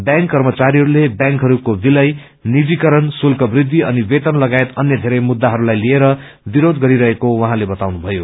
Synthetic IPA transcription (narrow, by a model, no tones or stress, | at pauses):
bjãŋkːʌrmʌt͡saɾiɦʌɾulebjãŋkɦʌɾukobilʌj | nibikʌɾʌnsulkʌbrid̪ʱːiʌnibet̪ʌnlʌɡaet̪ʌnjʌd̪ʱeɾʌjmud̪ːaɦʌɾulajlieɾʌ | biɾod̪ɡʌɾiɾʌɦekowʌɦãlebʌt̪awnubʱʌjo